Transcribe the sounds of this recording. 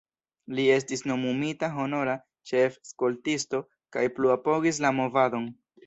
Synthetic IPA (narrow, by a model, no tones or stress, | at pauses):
lie̞s̬tisno̞mumitaɦo̞no̞ɾa | t͡ʃe̞fskoltisto̞ | kajpluapo̞ɡis̬lamo̞vado̞n